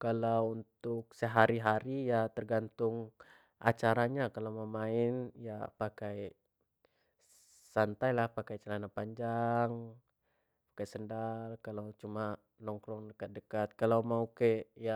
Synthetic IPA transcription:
kalawunt̪ʊk̚səɦaɾiɦaɾijat̪ərɡant̪ʊŋ | ʔa̰t͡ʃaɾaɲakalawməmaɪnja̰pakaj | sant̪ajlahpakajt͡ʃalanapaɲd͡ʒaŋ | pḁkajsəndalkalawt͡ʃuma | nɔŋkɾɔŋdəkat̪̚dəkat̪̚kalawmaukeja

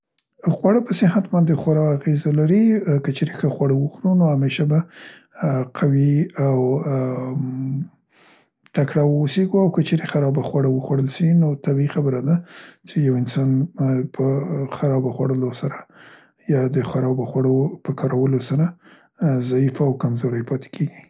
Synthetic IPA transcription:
xwaɽəpəsɪɦat̪mand̪exwaɾɑaɣezalaɾikət͡ʃeɾexəxwaɽəwəxɾunoameʃaba | qʰawiaw | t̪akɽawuseɡuawkət͡ʃeɾexaɾɑbaxwaɽəwəxwaɽəlʃinot̪abixabəɾad̪at͡ʃejawɪnsɑnpʰəxaɾɑbaxwaɽəlosaɾa | jɑd̪əxwaɾɑwbəxwaɽopəkɑɾawəlosaɾa | zaifawkamzoɾəjpɑt̪e̥kʰeɡi

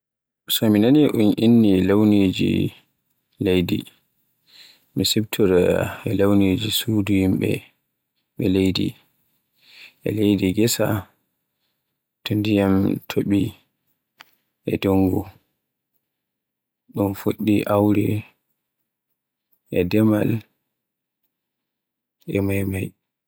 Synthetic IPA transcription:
sɔminaniʔunʔinːilewned͡ʒḭ | lejdḭ | misɛbtʰɔɾa̰ɛlewned͡ʒisuduhimɓɛ̰ | ɓɛlejdḭ | ʔɛ̰lejdiɡɛsa̰ | tʰundijamtʰoɓi | ɛdoŋɡu | ɗunfoɗːiʔawɾɛ | ʔɛdɛmal | ɛmajmaj

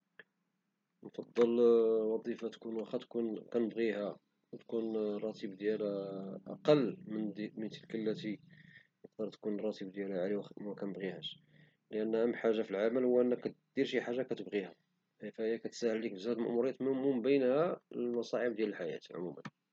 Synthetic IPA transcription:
nfɑd̪ˤːəlwɑd̪ˤifat̪kunwæxæt̪kunkænəbɣihæ | wt̪kunrˤɑt̪ʰibd̪jælʔɑ̰qɑlːmənmənt̪əlkəlːæt̪i | nəq̚d̪ɑɾˤt̪kunrˤɑt̪ibd̪jælæʕaliwækænəbɣihæʃ | ləʔənːmːħaʒːafilʕaməlhʊwːæʔənːækːæt̪d̪̥iɾʃiħaʒːakæt̪əbɣihæ | hæfæjækæt̪sæhəlːik̚bəzæd̪lmə̰ʔmuɾijæt̪mʊmumbənhæmɑsˤɑʕəbd̪jæləlħajæ̰t̪ʕʊ̰mṵmə̰n

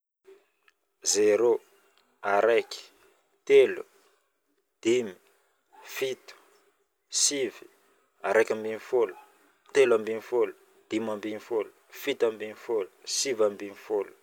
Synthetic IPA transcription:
zeɾo | aɾajki̥ | t̪elṵ | d̪̥imi̥ | fit̪u̥ | sivi̥ | aɾajkʲambinifolu̥ | t̪elambinifolu̥ | d̪̥imambinifolu̥fit̪ambinifolu̥sivambinifolu̥

